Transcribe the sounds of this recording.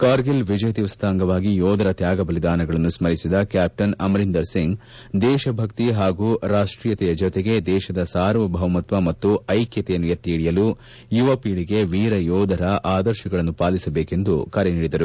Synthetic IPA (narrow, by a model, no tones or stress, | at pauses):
kaːɾɡilʋid͡ʒɐjɐt̪iʋɐst̪ʰaːŋɡɐʋaːɡijɔːd̪ʱɐɾɐt̪jaːɡɐbɐlid̪aːnɐɡɐɭɐnːusmɐɾisid̪ɐkjaːp̚ʈɐnɐmɐɾind̪ɐɾsiŋɡ | d̪ɛːʃɐbʱɐkt̪iɦaːɡuːɾaːʂʈɾiːjɐt̪ɛjɐd͡ʒɔt̪eɡe̞d̪ɛːʃɐd̪ɐsaːɾʋɐbʱɐʋɐmɐt̪ʋɐmɐt̪ːuɐjkjɐt̪ɛjɐnːujɐt̪ːiːɽijɐluː | juʋɐpiːɽiɡe̞ʋiːɾɐjɔːd̪ʱɐɾɐʔaːd̪ɐɾʃɐɡɐɭɐnːupaːlisɐbeːke̞nd̪ukɐɾɛniːɽid̪ɐɾu